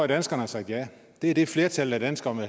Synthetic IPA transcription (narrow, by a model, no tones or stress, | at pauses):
d̥ænsɡ̥ɐnəsɑ̥̈jæ | d̥e̝æd̥e̝fle̝ɐt͡sʰæld̥æd̥ænsɡ̥ɐme